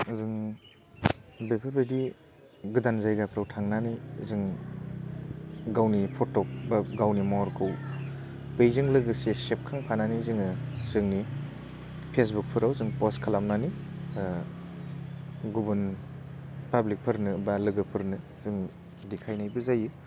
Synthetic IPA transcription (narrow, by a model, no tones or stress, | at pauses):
zɯŋ | bepʰɯɾbɯdi | ɡɯdanzajɡapʰɾawtʰaŋnanɯjzɯŋ | ɡawnipʰɔtɔp̚baɡawnimaɔɾkʰɯw | bejzɯŋlɯɡɯsesep̚kʰaŋpʰananizɯŋɯzɯŋni | pʰes̬buk̚pʰɯɾawzɯŋpɔskʰalamnani | ɡubɯn | pablik̚pʰɯɾnɯbalɯɡɯpʰɯɾnɯ | zɯŋ | dikʰajnajbɯzajɯ